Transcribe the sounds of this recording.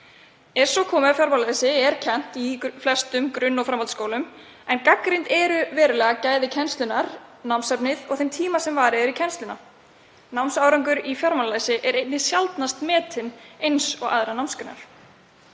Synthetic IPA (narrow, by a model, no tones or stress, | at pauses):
ɛɾ̥sɔkʰɔːmʏafjɔɾmalaːðsɪɛɾcʰɛn̥t̪iflɛst̪ʏmkɾʏnːɔɣfɾamːalt̪skowlʏm | ɛnkakɾɪnt̪ɛːɾʏvɛːɾʏlɛːɣacaːjðɪcʰɛnst̪lʏnaɾnawmsɛpnɪðɔɣθemt̪ʰiːmasɛmvaːɾɪɛɾicʰɛnst̪lʏna | nawmsawɾɔŋkʏɾifjɔɾmallaːðsɪʔɛɾejt̪nɪsjalt̪nast̪mɛːt̪ʰɪnejnsɔɣa̰ðɾanawmskʏnːa̰ɾ̥